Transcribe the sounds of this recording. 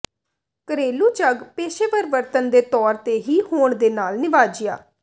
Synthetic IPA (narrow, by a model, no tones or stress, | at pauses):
kəɾeːluːt͡ʃəɡpeːʃeːpəɾɪʋəɾt̪ənd̪eːt̪ɔːɾt̪eːɦiːhoːɳd̪eːnaːlnɪʋaːd͡ʒɪja̰ː